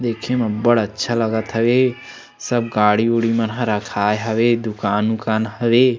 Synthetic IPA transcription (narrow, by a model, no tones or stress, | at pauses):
d̪eːkʰemɐbəɽətːʃʰalɐɡət̪ɦəʋe | səb̚ɡaːɽiuɽimənɦə̃ɾəkʰaːjeɦɐʋed̪ʊkaːnʊkaːnɦɐʋeː